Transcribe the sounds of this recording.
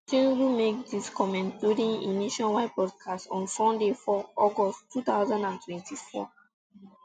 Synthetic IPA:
tĩŋhumek̚diskʰɔmɛ̃ntduɾĩnḭniʃɔ̃nwaɪpɔd̚kʰastɔ̃nfɔ̃ndefɔɔɡɔsttʰːut̪aʊzãndãntʰwɛ̃ntʰifɔ̰

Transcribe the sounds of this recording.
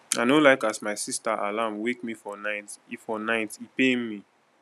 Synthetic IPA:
aɪnolaɪkasmaɪsistaʔa̰lamwekmifɔnaɪtifɔnaɪtipenmi

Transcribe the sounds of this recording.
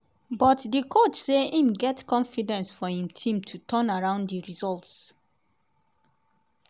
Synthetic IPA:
bɔtdikʰot͡ʃseĩmɡɛtkɔ̃nfidɛ̃nsfɔĩmtʰĩmtʰutʰɔ̃naɹãʊ̃nddiɹizɔlts

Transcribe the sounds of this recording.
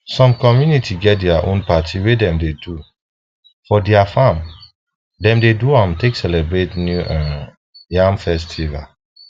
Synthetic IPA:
sɔ̃mkɔmjunitʰiɡɛt̚dɛaʔõ̰npatʰiwedɛ̃mdedu | fɔdɛafãm | dɛ̃mdeduãmteksɛlɛbɹetnjuʔã | jãmfɛstʰiva̰

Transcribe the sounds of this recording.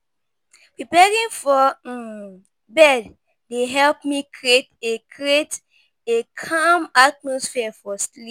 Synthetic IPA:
pɹipɛɹĩŋfɔ | bɛd | deɦɛlpmikʰɹietekʰɹiet | ekʰamat̚mɔsfiɛfɔstli

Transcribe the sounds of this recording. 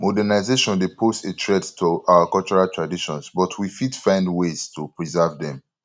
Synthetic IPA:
mɔdɛnaɪzeʃɔ̃ndepʰostetʰɹɛdtʰuʔawakɔlt͡ʃɔɹaltʰɹadiʃɔ̃nsbɔtʰwifidfãɪ̃ndwez̥tʰupɹizɛvdɛ̃m

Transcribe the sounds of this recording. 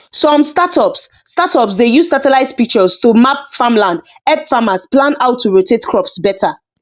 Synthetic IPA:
sɔ̃mstatɔpsːtatɔpsdejussatɛlaɪzfik̚t͡ʃəztumap̚famlãnd | ɛbfamasplãnaʊtʰːuɹotʰetkʰɹɔpsbɛtʰa

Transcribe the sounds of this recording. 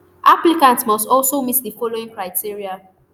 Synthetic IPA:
ʔaplikãntsmɔstɔlsomitdifɔloĩŋkɹaɪtʰiɹia

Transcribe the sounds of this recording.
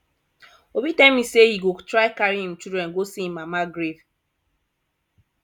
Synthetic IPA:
obitamisehiɡotɾaɪkaɾiɦĩm̩t͡ʃudɾɛnɡosimamaɡɾev

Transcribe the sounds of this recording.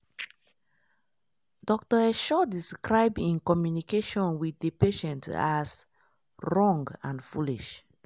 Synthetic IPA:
dɔk̚tɔɛʃɔdiskɹaɪbĩnkɔmjunikeʃɔ̃nwiθepeʃɛ̃ntas | ɹɔ̃ŋɡãnfuliʃ

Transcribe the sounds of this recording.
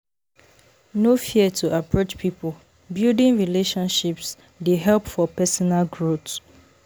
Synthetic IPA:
nofiətʰuʔapʰɹot͡ʃpʰipʰol | bildĩŋɹileʃɔ̃nʃips | deɦɛlpfɔpɛsɔnalɡɹot

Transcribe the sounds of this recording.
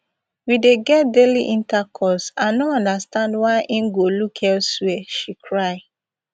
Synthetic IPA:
wideɡɛt̚deliʔĩntakʰɔsãnoɔ̃ndastãndwaɪʔĩnɡolukʰɛlswɛʃikʰɹaɪ

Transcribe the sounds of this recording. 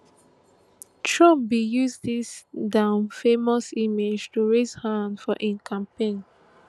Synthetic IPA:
tɹɔ̃mbijuzdisdãʊ̃nfemɔsimed͡ʒtuɹezhãndfɔʔĩnkʰãmpẽn

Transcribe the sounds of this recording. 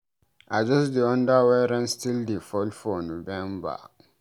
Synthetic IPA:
ʔad͡ʒɔs̬diɔ̃ndawɛɾɛ̃nstildifɔlfɔnovɛ̃mba̰

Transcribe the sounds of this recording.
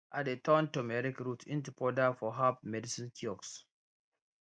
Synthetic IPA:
ʔat̚detãntomɛɾikɹutĩntəpʰɔdafɔɦapmɛdisĩnkʰiɔks

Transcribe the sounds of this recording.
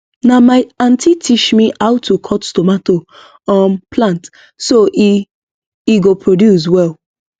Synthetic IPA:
namaɪãntʰitʰiʃmiʔaʊtʰːukʰɔtstɔmato | ɔmpʰlãnt | soʔ | iɡopʰɹodjus̬wɛl

